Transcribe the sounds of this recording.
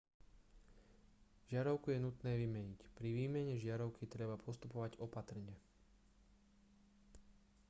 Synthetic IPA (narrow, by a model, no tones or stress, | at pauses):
ʒɪaɾɔʊkujɛnut̪nɛːʋimɛɲicpɾiʋiːmɛɲɛʒɪaɾɔʊkit̪ɾɛbapʰɔst̪upɔʋaɟɔpat̪r̩ɲɪɛ